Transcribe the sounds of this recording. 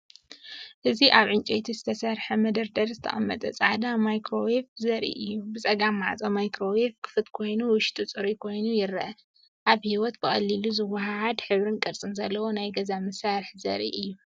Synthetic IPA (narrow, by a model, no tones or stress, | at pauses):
ʔɨziʔaβʕɨnt͡ʃʼet̪ʰizɨt̪ʰɐsɐɾħɐmɐd̪ɐɾd̪ɐɾzɨt̪ʰɐ̰ʔʼɐmːɐt̪ʼɐ̰t͡sʼaʕd̪amajkɾo̞weftzɐɾḭʔɨjːubɨt͡sʼɐɡamːa̰ʕt͡sʼɐmajkɾo̞wef̚kʰɨ̥fɨt̪kʰo̞jnuwʊʃt̪ʼut͡sʼɨɾikʰo̞jnujɪɾːɐʔɐ | ʔaβhiwɔt̪̚bɨxʼɐ̰lːiluzɨwːɐɦahad̪ħɨβɾɨnkʼɐɾt͡sʼɨnzɐlːɐwo̞najɡɐzamɐsaɾɨħzɐ̰ɾḭʔɨjːu